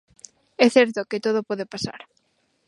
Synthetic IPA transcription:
ɛθɛɾt̪oket̪oð̞opɔðepasa̰ɾ

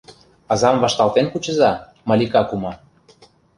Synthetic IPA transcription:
ɑzɑmvɑʃt̪ɑlˠt̪enkut͡ɕə̆zɑ | mɑlʲikɑkumɑ

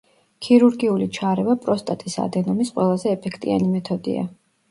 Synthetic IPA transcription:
kʰiɾuɾɡiulit͡ʃʰaɾɛvapʼɾɔst̪ʼat̪ʼisa̰d̪ɛnɔmisqʼwɛlˠazɛːpʰɛkʰt̪ʼḭa̰nimɛt̪ʰɔd̪ḭa̰

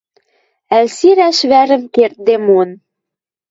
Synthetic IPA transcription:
ælsiɾæʃβæɾɘ̆mkert̪̚d̪emon

